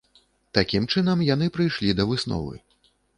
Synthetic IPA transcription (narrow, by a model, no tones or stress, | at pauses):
t̪akʲimt͡ʂɨnɐmjan̪ɨpɾɨjʂlʲid̪ɐvɨsnɔ̰vɨ̰